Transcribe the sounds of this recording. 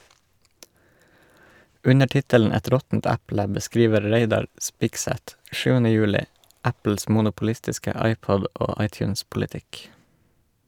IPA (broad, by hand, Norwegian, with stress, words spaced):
ˈʉnə ˈtɪtəln̩ ˈɛt ˈɾɔtn̩t ˈæplə bəˈskɾiːʋə ˈɾeɪdɑɾ ˈspɪɡsɛt ˈʃʉːənə ˈjʉːlɪ ˈæpl̩s mʊnʊpl̩ˈɪstɪskə ˈɑɪˌpɔd ˈoː ˈɑɪˌtjʉːnspʊlɪˌtɪk